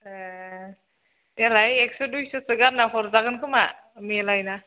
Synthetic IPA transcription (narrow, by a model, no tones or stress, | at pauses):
ɛlajɛksɔdujsɔsɯɡamnakʰɔɾzaɡɯnkʰɯma̰ | milajna